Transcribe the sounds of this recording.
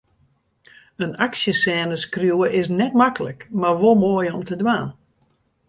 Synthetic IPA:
ənaksjəsɛːnəskrjuəʔɪsnɛtmakələ̰kmarʋolˠmoəjɔmtədʋaːn

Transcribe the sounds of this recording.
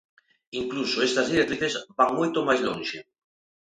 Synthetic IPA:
iŋklusoest̪ɐzðiɾekt̪ɾiθezbaŋmojt̪omajzlonʲʃe

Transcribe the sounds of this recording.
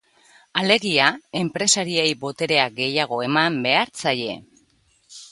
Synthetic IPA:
ale̞ɣiae̞mpɾe̞saɾiejbo̞t̪e̞ɾe̞aɡe̞jaɣ̞o̞e̞mambe̞aɾt͡saje̞̰

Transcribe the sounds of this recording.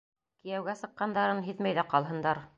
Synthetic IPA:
kijæwɡæsɤ̆qːɑnd̪ɑɾɤnɦiðmæjðæqɑlˠɦɤ̆nd̪ɑɾ

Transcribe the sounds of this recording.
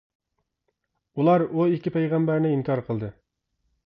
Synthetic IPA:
ulˠɑɾuikʲipʰɛjʁæmbæɾnɪimkɑɾqʰəlˠd̪ɨ

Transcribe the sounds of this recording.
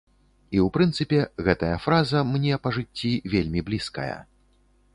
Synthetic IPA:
iwpɾɨnt̪sɨpʲɛɣɛt̪ɐjɐfɾazɐmnʲɛpɐʐɨt͡st͡sʲːivʲelʲmʲiblʲiskɐ̰jɐ̰

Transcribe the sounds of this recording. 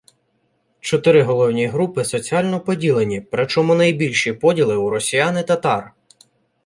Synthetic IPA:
t͡ʃɔt̪ɪɾɪɦɔlˠɔwnʲiɦɾupɪsɔt͡sʲiɑlʲnɔpɔdʲilˠenʲipɾɪt͡ʃɔmunɐjbʲilʲʃipɔdʲilˠɪuɾɔsʲijɑnɪt̪ɐt̪ɑr

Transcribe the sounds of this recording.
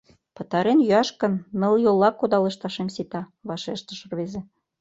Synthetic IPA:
pɤ̆t̪ɑɾenjyɑʃkɤ̆nːɤ̆lˠjolˠːɑkːod̪ɑlɤ̆ʃt̪ɑʃemsit̪ɑ | βɑʃeʃt̪ə̆ʃə̆rβezĕ

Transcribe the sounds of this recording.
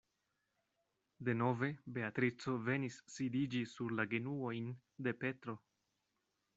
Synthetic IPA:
de̞no̞ve̞be̞at̪ɾit͡so̞ve̞nisːidid͡ʒisuɾlaɡe̞nuo̞jn | de̞pe̞t̪ɾo̞

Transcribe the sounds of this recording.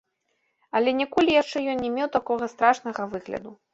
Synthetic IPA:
ɐlʲɛnʲɛkɔlʲijaʂt͡ʂɛjɔnnʲɛmʲewt̪akɔɣɐst̪ɾaʂnɐɣɐvɨɣlʲɐ̰d̪u

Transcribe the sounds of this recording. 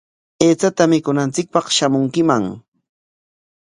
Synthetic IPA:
eːt͡sat̪amɪkʊnant͡sɪk̚pɑχʃamʊŋkɪmaŋ

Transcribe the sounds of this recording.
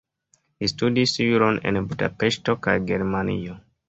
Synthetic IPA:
listudisjuɾo̞nḛnbuda̰peʃto̞kajɡe̞ɾmanḭo

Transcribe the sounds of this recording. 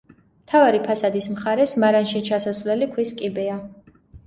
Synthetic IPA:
mt̪ʰavaɾipʰasad̪ismχaɾɛsmaɾanʃit͡ʃʰasasvlɛlikʰwiskʼibɛa

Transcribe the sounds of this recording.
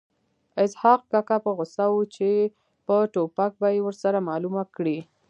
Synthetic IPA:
ɪshɑq̚kakapəɣʊsawut͡ʃe | pəʈopak̚bajewəɾsaɾamɑlumakɽi

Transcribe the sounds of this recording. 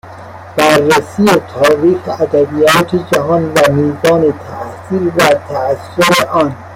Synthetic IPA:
b̥æɾːæsijet̪ʰɒːɾiːxeæd̪æbijɒːt̪ʰed͡ʒæɦɒːnvæmiːzɒːnet̪ʰæʔsiːɾvæt̪ʰæsːoɾeʔɒːn

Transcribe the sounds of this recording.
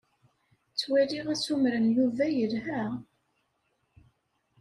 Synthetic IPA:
t͡sːwiɾiʁæt͡sːumɾənjuvæjəlɦæ

